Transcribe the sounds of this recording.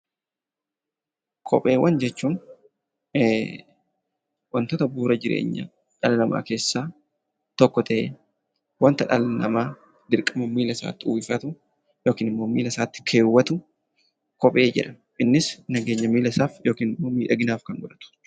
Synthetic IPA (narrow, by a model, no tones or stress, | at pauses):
kʰɔ̰pʼe̞ːwːɐnd͡ʒɛt͡ʃːuːn | wɐnt̪oːt̪ɐbuːɾɐd͡ʒɪɾḛːɲːɐ̰ | ᶑɐlɐnɐmʔa̰ːke̞ːsːaː | t̪ɔkːɔt̪ʰɐʔeː | wɐnt̪ɐᶑɐlnɐ̰maː | d̪ɪɾkʼɐmɐmiːlɐsa̰ːt̪ːɪuːɪfɐt̪ʊ | jo̞ːkiːnɪmːoːmiːlɐsaːt̪ːɪ̥kʰeːwːɐt̪ʊ | kɔpʼe̞ːd͡ʒɪ̰ᶑɐ | ʔɪnːɪsnɐɡe̞ːɲːɐmiːlɐsaːfjoːkiːnɪmːo̞ːmiːᶑɐɡɪnaːfkɐnɡɔᶑɐt̪ʊ̥